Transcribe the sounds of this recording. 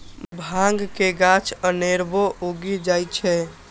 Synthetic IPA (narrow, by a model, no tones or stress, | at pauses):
bʱãŋɡkeɡat͡ʃʰəneɾboʔoɡid͡ʒajt͡ʃʰɛ